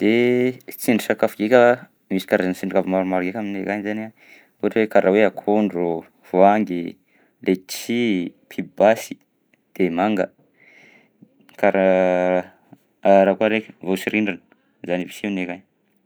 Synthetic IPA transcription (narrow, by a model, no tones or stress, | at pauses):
d̪̥et͡sinisakafɡikʲə | misi̥kaɾazansiɳɖ͡ʐikavimaɾumaɾɡekʲaminekaɲizana | uʈ͡ʂwekaɾaweakʰoɳɖ͡ʐo | v̥oaŋɡi | lʔet͡sipʰibasi̥ | d̪̥emaŋɡə̰ | kaɾa | aɾakuaɾekʲə̥vosiɾiɳɖ͡ʐan | zanivisinekaɲ